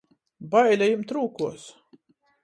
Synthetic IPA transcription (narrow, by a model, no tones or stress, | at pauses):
bajlʲajimt̪ɾuːkuɔs